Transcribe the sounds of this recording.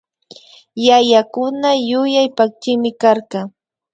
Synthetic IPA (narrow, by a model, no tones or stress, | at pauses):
jajakʊnajʊjajpak̚t͡ʃɪmɪkaɾkɑ